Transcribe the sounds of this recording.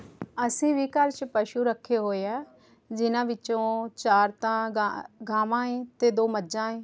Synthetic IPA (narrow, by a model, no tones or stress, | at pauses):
əsĩːʋiːkəɾt͡ʃpəʃuːɾəkʰːeːɦoːeɛː | d͡ʒɪnãːʋɪt͡ʃõːt͡ʃaːɾt̪ãːɡaːʋãːẽːt̪eːd̪oːməd͡ʒãːẽː